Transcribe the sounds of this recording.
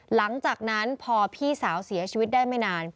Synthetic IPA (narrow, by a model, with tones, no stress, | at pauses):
la˩˦ŋt͡ɕaː˨˩k̚na˦˥npʰɔː˧pʰiː˥˩saː˩˦wsi˩˦ɐt͡ɕʰi˧wi˦t̪̚daː˥˩jma˥˩jnaː˧n